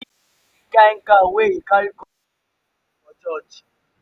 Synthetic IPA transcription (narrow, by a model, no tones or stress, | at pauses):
kaŋ̩kaweikaiko | ɔt͡ʃɔt͡ʃi̥